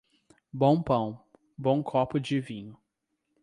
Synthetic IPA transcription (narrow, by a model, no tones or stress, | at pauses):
bõw̃pɐ̃w̃ | bõw̃kʰɔpʊd͡ʒɪvĩɲʊ